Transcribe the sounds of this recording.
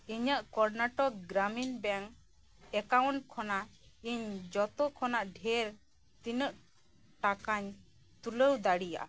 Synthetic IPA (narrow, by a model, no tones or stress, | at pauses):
iɲəʔkɔɾnaʈɔk̚ɡɾaminbɛŋ | ɛkawɳʈkʰɔnaiɲd͡ʒɔt̪ɔkʰɔnaʔɖʱɛɾ | t̪inəʔ | ʈakaɲ | t̪uləwd̪aɽija̰ʔa̰